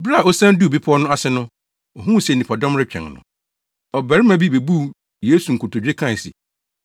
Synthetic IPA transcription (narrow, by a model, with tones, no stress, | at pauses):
bɾa˦˨o˦sã˦n˦du˦˨bi˦pʰʊ˦ɔ˦nʊ̃˦a˦sɪ˦nʊ̃˦ | ɔ˨ɦũ˦˨se˨nĩ˨pʰɔ˨dɔ̃˦mɾɪ˦t͡ɕᶣɛ̰̃˨ŋnʊ̰̃˨ | ɔ˨bæ˨ɾɪ˦mã˨bi˦be˨bu˦ | jeː˦su˨ŋ̩˨kʰʊ˨tʰo˨d͡ʑᶣe˦kʰã˦˨sɪ̰˨